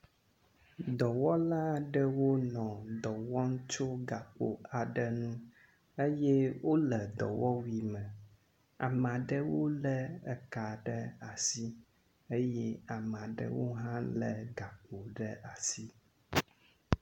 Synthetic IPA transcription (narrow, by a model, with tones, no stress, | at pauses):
d̪ɔ˨wɔ˦la˦ɖə˦wo˦nɔ̃˨d̪ɔ˨wɔ˦ŋ̩˦t͡ʃo˦ɡa˨k͡po̰˨a˨ɖə˦nũ˦ | e˦jɛ˦wo˦lə˨d̪ɔ̰˨wɔ˦wi˦mə̃˨ | a̰˨m˨a˨ɖə˦wo˦lə˦ɛ˨ka˨ɖə˦a˨si˦ | e˦jɛ˦a˨m˨a˨ɖə̰˦wo˦ɦã˦lə˨ɡa˨k͡po˨ɖə˦ʔa˨si˦